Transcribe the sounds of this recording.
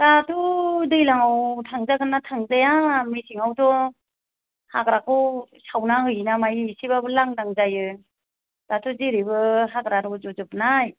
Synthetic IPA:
datʰudɯjlaŋawtʰaŋzaɡɯnːatʰaŋzajamisiŋawdɔ | haɡɾakʰɯwsawnahɯjnamajsiβabɯlaŋdaŋzajɯ | d̥atʰuziɾibɯɦaɡɾaɾɔzɔzɯpnaj

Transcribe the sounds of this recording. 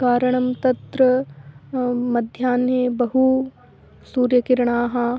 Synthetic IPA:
kaːɾɐɳ̃ɐmt̪ɐt̪ɾɐ | mɐd̪ʱjaːneːbɐɦu | suːɾjɐkɪɾɳ̃aːɦɐ

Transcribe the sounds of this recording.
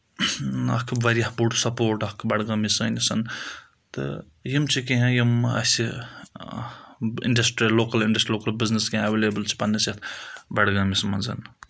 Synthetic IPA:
ɐ̰kʰʋɐɾjɐhpuʈsɐpoːɾʈɐkʰbɐɽɡɐmisɐnisɐn | t̪ɨ̰ | jimt͡ʃʰikeɦẽjimɐ̰si | ḭɳɖɐsʈɾiloːkɐliɳɖɐsʈɾiloːkɐlbizneskeɦẽɐʋelebəlt͡ʃʰi̥pɐnːiset̪ʰbɐɽɡɐmismɐnzɐ̰n

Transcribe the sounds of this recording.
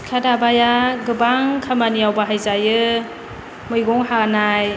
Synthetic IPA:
kʰadabajaɡɯbaŋkʰamanijawbaɦajzajɯ | mɯjɡɔŋhanaj

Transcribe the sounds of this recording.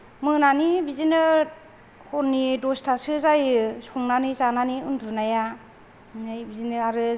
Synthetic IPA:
mɯnanibizinɯ | kʰɔɾnidɔstʰasɯzajsɔŋnanizananiundunaja | najbizinɯaɾɯ

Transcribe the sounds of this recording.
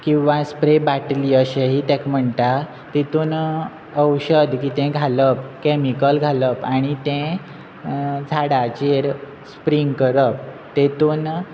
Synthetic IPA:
kĩw̃ʋãspɾebaʈliːəɕeɦiːt̪ɛ̃km̤əɳt̪a | t̪it̪uːn | əwɕəd̪kiːt̪ɛ̃ɡʱaləpkemikəlɡʱaləpaɽ̃it̪ɛ̃ | d͡zʱaɽat͡ɕeɾ | spɾiŋɡkəɾəp̚ | t̪et̪uːn

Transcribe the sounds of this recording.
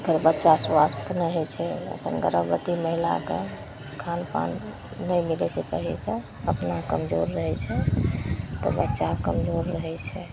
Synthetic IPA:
ɡəɾbətːʃaswast̪ʰnəɦɛt͡ʃʰɛə̰kʰənɡəɾəbbət̪iməɦila̰kḛ | kʰanpa̰nː | əjmilɛt͡ʃʰɛt͡ʃə̰ɦḭsə̃ | əpnakəmd͡ʒoɾːəɦɛt͡ʃʰɛ | t̪ɔ̰bətːʃakəmd͡ʒoɾːəɦɛt͡ʃʰɛ

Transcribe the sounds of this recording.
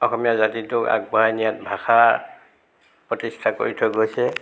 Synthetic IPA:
ɔxɔmijazatitʊka̰ɡ̚baajnijat̚bʱaxa | pɹɔtistʰako̰ɹitʰɔɡojsɛ

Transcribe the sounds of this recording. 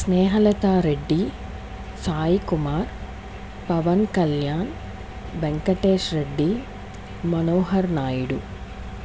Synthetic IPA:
sneːɦɐlɐt̪aːɾeɖːi | saːjikumaːɾ | pɐʋɐnkɐljaːn | beŋkɐʈeːʃɾe̞ɖːi | mɐnoːɦɐɾnaːjiɽu

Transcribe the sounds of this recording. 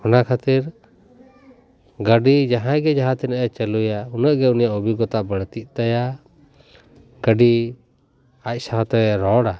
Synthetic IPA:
ɔnakʰat̪iɾ | ɡəɖid͡ʒaɦãjɡɛd͡ʒaɦãt̪ɛnəʔɛt͡ʃəlujaunəʔɡɛunijaʔubiɡɔt̪aʔbəɽt̪iʔ̚ˀt̪aja | ɡəɖi | ac̚ˀsaɦɔ̃t̪ɛɾɔɽa

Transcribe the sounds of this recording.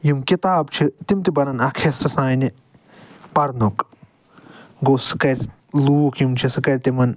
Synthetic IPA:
jimkit̪aːb̚t͡ʃʰit̪imt̪ibɐnɐnɐkʰesɐsaːni | pɐɾnuk | ɡoːsɨ̥kɐɾʲ | luːkjimt͡ʃʰisɨkɐɾʲt̪imɐn

